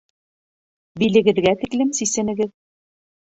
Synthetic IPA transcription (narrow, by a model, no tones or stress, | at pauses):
bilɘ̆ɡɘ̆ðɡæt̪iklɘmsisɘ̆nɘ̆ɡɘð